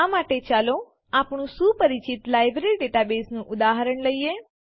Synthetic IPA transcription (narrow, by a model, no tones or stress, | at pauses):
amaʈet͡ʃalo | apɳ̃ũʃupəɾit͡ʃit̪lajbɾilɖeʈabesnũʔʊd̪aɦaɾəɳləije